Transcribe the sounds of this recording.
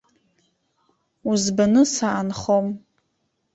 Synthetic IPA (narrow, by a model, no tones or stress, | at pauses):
uzbanɨsaʔːnχom